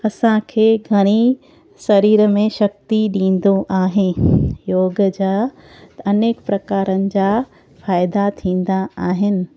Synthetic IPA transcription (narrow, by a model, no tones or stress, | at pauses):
ɐsãkʰeːɡʱɐɽ̃i | sɐɾiːɾəmẽʃɐk̚t̪iɗĩːn̆d̪oʔaːɦɪjoːɡəd͡ʑaː | t̪ɐneːkpɾɐkaːɾənɪ̆d͡ʑaː | faːɪd̪at̪ʰĩːn̆d̪aaːɦɪnɪ̆